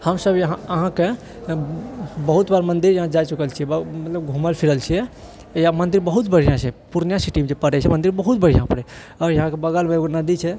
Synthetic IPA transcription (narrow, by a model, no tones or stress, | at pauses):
həmsəbjəɦãəɦãke | bəɦut̪baɾmənd̪iɾjɐɦãd͡ʒajt͡ʃukəlt͡ʃʰiɛbmət̪ləbɡʱũməlpʰiɾəlt͡ʃʰijɛ | jamənd̪iɾbəɦut̪bəɽ̤ijãt͡ʃʰɛpuɾnjãsiʈimed͡ʒepəɽɛt͡ʃʰɛmənd̪iɾbəɦut̪̚bəɽ̤ijãpəɽɛ | ɔːɾjəɦãkebəɡəlmeɡnəd̪it͡ʃʰɛ